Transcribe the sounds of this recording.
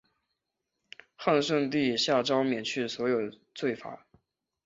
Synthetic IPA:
xa˥˧nʂɤ˥˧ŋt̪̬i˥˧ɕja˥˩ʈ͡ʂɑ˥ʊmjɛ˨˩nt͡ɕʰy˥˩swɔ˧˥jo˨˩ʊ | t͡swe˥˩ɪfa̰˨˧˥

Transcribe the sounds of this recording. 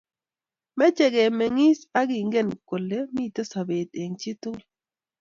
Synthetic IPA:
mɛ˦t͡ʃe˨ɡe˨mɛ˨ŋi˦sa˦ɡɪ˨ŋɡe˦˨nko˨lːe˦mi˦˨t̪o˦sa˨be˨t̪e˨ŋt͡ʃi˦t̪ʊ˦

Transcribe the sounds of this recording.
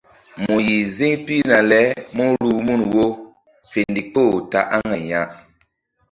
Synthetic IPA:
mu˨ji˨zi˦ŋpi˦na˨lɛ˦mu˦ɾu˦mu˦˨nwo˦ | fe˨ndi˨po˦˨ta̰˨ʔa˦ŋa˨ɲa˦ʔ

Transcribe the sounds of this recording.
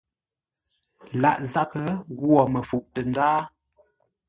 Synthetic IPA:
la̰˦˨ʔza˦˨kə˦ɣwɔ˨mə˨fu˨ʔtə˨nd͡zaː˦

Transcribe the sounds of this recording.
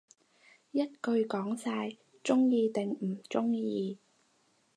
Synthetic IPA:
jɐ˥t̚kɵ˧ɥkɔː˨˥ŋsaː˧j | t͡sʊ˥ŋjiː˧t̪ɪ˨ŋm̩˨˩t͡sʊ˥ŋjiː˧

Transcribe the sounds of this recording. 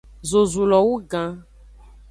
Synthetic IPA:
zo˨zu˨lɔ˨wu˦ɡã˦

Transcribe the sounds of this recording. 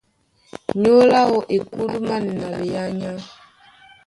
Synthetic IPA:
ɲo˦la˦ɔ˨ʔe˨ku˦lu˦ma˦ni˨na˨le˨ja˦ɲa˦

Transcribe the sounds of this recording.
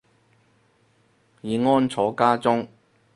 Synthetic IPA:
jiː˨˧ŋɔː˥nt͡sʰɔː˨˥kaː˥t͡sʊ˥ŋ

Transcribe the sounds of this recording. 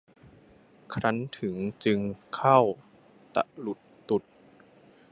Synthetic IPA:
kʰɾa˦˥nt̪ʰɯ˩˦ŋt͡ɕɯ˧ŋkʰa˥˩w | t̪a̰˨˩ʔlu˨˩t̪ːu˨˩t̪̚

